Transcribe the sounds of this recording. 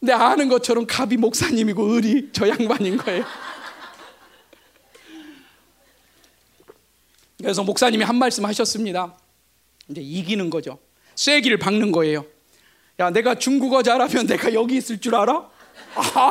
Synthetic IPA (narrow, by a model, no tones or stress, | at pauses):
ne̞anɯnɡʌt͡ɕʰʌɾʌmkabimok̚s͈aɲimiɡoɯɾit͡ɕʌjaŋbaɲinɡʌe̞jo | kɯɾe̞s̬ʰʌmok̚s͈aɲimiɦanmaɭs͈ɯmhaɕʰʌs͈ɯmɲida | ind͡ʑe̞iɡinɯnɡʌd͡ʑo | s͈ʰwe̞ɡiɾɯɭpaŋnɯnɡʌe̞jo | jane̞ɡat͡ɕuŋɡuɡad͡ʑaɾamjʌnːe̞ɡajʌɡiːs͈ɯɭt͡ɕ͈uɾaɾa